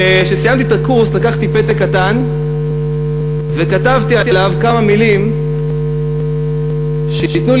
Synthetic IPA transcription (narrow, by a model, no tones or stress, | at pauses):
eʃesijamt̪it̪akuʁslakaχt̪ipet̪ekːat̪an | ve̞kat̪avt̪iatilavkamamilim | ʃeit̪nu